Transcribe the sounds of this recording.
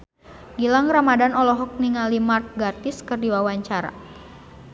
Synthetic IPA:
ɡilaŋramadanɔlɔɦɔk̚niŋalimark̚ɡart̪ɪskɨrdiwawaɲt͡ʃaɾa̰

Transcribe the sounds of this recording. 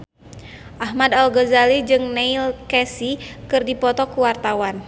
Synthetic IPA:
ʔaɦmadalɡɔzalid͡ʒɨŋneilkɛsikɨrdipɔt̪ɔkuwart̪awan

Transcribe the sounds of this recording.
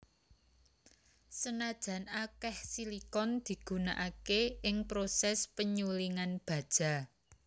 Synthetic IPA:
sənad̥ʒ̥ä̤nakɛhsilikɔnd̪̥i̤ɡ̥ṳna̰ʔakeɪŋpɾosɛspəɲuliŋanb̥ä̤d̥ʒ̥a̤

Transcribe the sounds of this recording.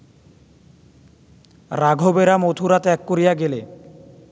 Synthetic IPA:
ɾaɡʱobeɾamot̪ʰuɾat̪ɛkːoɾijaɡele

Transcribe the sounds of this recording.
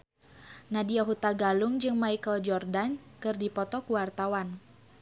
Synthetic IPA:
nadiaɦut̪aɡaluŋd͡ʒɨŋmaikəld͡ʒɔrdankɨrdipɔt̪ɔkuwart̪awan

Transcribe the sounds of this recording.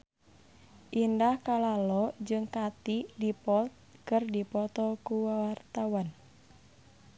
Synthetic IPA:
ʔindahkalalɔd͡ʒɨŋkat̪idipɔlt̪̚kɨrdipɔt̪ɔkuwawart̪awan

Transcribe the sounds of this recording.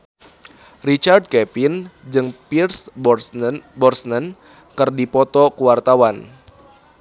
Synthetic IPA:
rit͡ʃard̚kɛpind͡ʒɨŋpirs | bɔrsnən | kɨrdipɔt̪ɔkuwart̪awan

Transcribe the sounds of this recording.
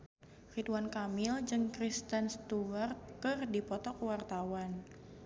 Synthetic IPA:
fit̪wankamɪld͡ʒɨŋkɾist̪ənst̪uwart̪̚kɨrdipɔt̪ɔkwart̪awan

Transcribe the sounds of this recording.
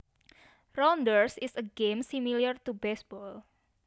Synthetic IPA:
rɔndərsisəɡẽmsimilərt̪ubɛsbɔl

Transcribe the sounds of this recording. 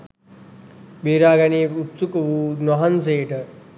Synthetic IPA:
beːɾaːɡɐneːut̪sukɐʋunwɐɦɐns̬eːʈə

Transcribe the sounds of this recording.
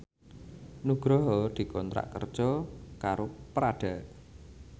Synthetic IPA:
nuɡ̥ɾɔɦɔd̪̥i̤kɔnt̪ɾa̰ʔkərd̥ʒ̥ɔkaɾopəɾaɖ̪̥aʔ

